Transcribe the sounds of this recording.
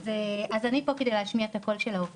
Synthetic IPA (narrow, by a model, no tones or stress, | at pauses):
zeazanipo̞ked̪ejleːʃmiaet̪ako̞lʃelao